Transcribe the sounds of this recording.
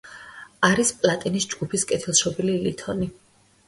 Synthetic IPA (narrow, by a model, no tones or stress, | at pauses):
aɾispʼlˠat̪ʼinisd͡ʒɡupʰiskʼɛt̪ʰilˠʃɔbililit̪ʰɔni